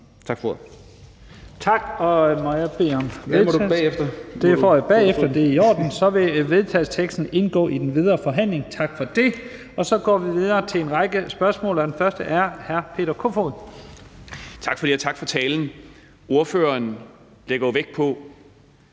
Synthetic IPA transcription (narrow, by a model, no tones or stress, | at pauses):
t͡sʰɑɡ̥f | t͡sʰɑ̈ɡ̥ɒ̽mɒjɑb̥e̝̰ːɒ̽mʋeðfd̥ɐd̥e̝fɒ̰ːjab̥ɛ̰ːefd̥ɐd̥e̝iɒ̰ːd̥n̩sɒ̽ʋe̝ʋe̝ð̞ˠt͡sʰɛðl̩ˠst͡sʰeɡ̥sd̥n̩e̝nɡ̥ɔ̰̽ːid̥enʋið̞ˠʁɐːfɒ̽ɦæn̰le̝ŋt͡sʰɑ̈ɡ̥fɒ̽d̥e̝ | ɒ̽sɒ̽ɡ̥ɒ̰ːʋiʋið̞ˠɐːt͡sʰe̝e̝nʁɑ̈ɪɡ̥əsb̥ɶɐsmɔ̰̽ːlɐd̥enfɶɐsd̥əʔæɐhæɐpʰe̝̰ːɾ̥ɐkʰofoðˠ | t͡sʰɑ̈ɡ̥fɒd̥iæt͡sʰɑ̈ɡ̥fɒ̽t͡sʰɛːln̩ | o̝ɐføːɐn | leɡ̥ɐjoʋeɡ̥̚pʰɒ̽